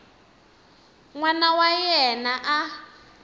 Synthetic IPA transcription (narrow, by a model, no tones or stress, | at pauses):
ŋwanawajɛnaʔa